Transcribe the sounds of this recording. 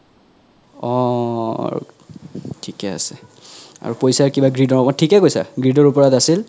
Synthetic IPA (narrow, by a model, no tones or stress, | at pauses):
ɔ̰ | tʰikɛa̰sɛ̥a̰ɹupojsaɹkibaɡɹidɔɹɔmɔtʰikɛkojsa̰ɡɹidɔɹupɔɹatasil